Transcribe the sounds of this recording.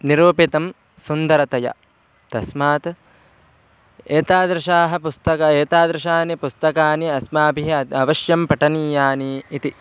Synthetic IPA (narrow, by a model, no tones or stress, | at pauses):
niɾuːpit̪ɐm | sund̪ɐɾɐt̪ɐjɐ̰ | t̪ɐsmaːt̪ | eːt̪aːd̪ɾɪʃaːɦɐ̆pust̪ɐkɐeːt̪aːd̪ɾɐʃaːnipust̪ɐkaːniɐsmaːbʱiɦɐɐɐʋɐʃjɐmpɐʈɐniːjaːniːt̪i